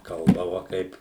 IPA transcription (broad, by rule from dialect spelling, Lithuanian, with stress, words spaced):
ˈkɐlˠbɐʋɐ ˈkɐɪp